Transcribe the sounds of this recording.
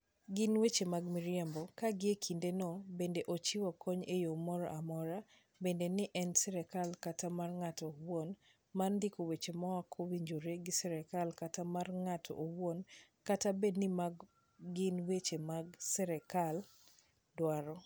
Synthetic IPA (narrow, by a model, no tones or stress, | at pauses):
ɡɪnwet͡ʃemaɡmɪɾjɛmbɔkaɡɪekʰindenɔbendeʔot͡ʃɪwakɔɲejomɔɾɔʔamɔɾa | bendenɪʔɛnsɛɾɛkalkatamarŋatɔwon | marndɪkowet͡ʃemɔwakʰowiɲd͡ʒoɾeɡɪsɛɾɛkalkatamarŋatʰɔ̰ʔowwonkatabednɪmaɡ | ɡɪnwet͡ʃemaɡsɛɾɛkal | dwaɾɔ